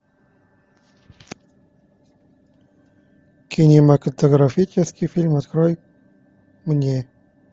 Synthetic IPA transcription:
kʲʰɪnʲɪməkət̪əɡɾɐfʲit͡ʃɪskʲijfʲilʲmɐt̪kɾoj | mnʲe

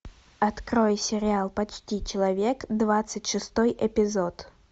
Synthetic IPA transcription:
ɐt̪kɾojsʲɪɾʲɪalˠpɐt͡ɕtʲit͡ɕɪlˠɐvʲekd̪vat̪sɨtʲʂɨst̪ɔjʔɛpʲɪzot̪

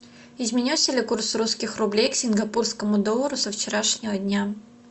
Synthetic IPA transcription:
ɪzmʲɪnʲisʲəlʲɪkursruskʲɪxrʊblʲejksʲɪnɡɐpurskəmʊd̪olˠəɾʊsəft͡ɕɪɾaʂnʲɪvədʲnʲa

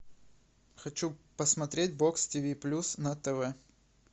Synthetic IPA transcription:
xɐt͡ɕupəsmɐt̪ɾʲet̚ʲbokstʲivʲiplʲusnɐt̪ɛvɛ

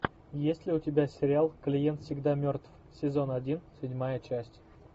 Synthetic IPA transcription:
jesʲtʲlʲiutʲɪbʲasʲeɾʲɪalˠklʲijent̪fsʲɪɡd̪ɑmʲørt̪f | sʲezonadʲinsʲɪdʲmajət͡ɕæsʲtʲ

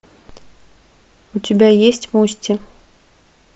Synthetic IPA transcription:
ut͡sʲɪbʲajesʲt͡sʲmusʲtʲɪ

